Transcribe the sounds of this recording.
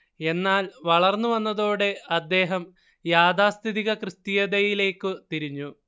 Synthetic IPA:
e̞nːaːlʋɐɭɐrnːuʋɐnːɐðo̞ːɽe̞ɐd̪ːe̞ːɦɐm | jaːd̪aːst̪ʰiðiɣɐkrɨst̪ijɐd̪ɐjile̞ːkːɨt̪iɾiɲːu

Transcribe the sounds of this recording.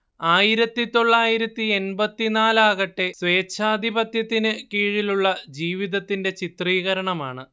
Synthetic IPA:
aːjiɾɐt̪ːit̪o̞ɭːaːjiɾɐt̪ːie̞nbɐt̪ːinaːlaːɣɐʈːe̞sʋe̞ːt͡ɕʰːaːd̪ʱibɐt̪jɐt̪ːinɨkiːɻiluɭːɐd͡ʑiːʋiðɐt̪ːinde̞t͡ɕit̪riːɣɐɾɐɳɐma̰ːɳɨ

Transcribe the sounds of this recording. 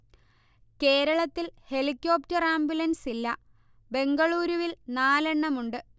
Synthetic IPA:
ke̞ːɾɐɭɐt̪ːilhe̞likʲːo̞ːptɐraːmbjulɐnsilːɐ | be̞ŋɡɐɭuːɾuʋilnaːle̞ɳːɐmuɳɖɨ

